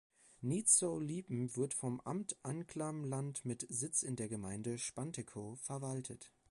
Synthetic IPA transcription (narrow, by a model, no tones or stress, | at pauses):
niːt͡soliːpm̩vɪɐtfɔmʔa̰mtʔankʰl̥amlantmɪtz̥ɪt͡sɪndeːɐɡəmaɪndəʃpantekʰofɛɐvaltʰət